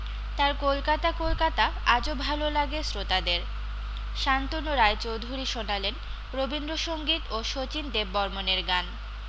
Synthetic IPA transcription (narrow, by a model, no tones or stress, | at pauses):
t̪aɾkolkat̪akolkat̪aad͡ʑobʱalolaɡesɾot̪ad̪eɾ | ʃant̪onoɾaet͡ɕowd̪ʱuɾiʃonalen | ɾobind̪ɾoʃoŋɡit̪oʃot͡ɕind̪ebːɔɾmoneɾɡan